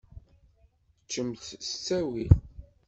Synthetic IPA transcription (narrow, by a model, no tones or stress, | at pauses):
t͡ʃːəmθst͡sːæwil